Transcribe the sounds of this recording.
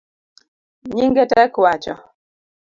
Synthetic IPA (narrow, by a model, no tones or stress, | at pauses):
ɲiŋɡɛtɛkwat͡ʃɔ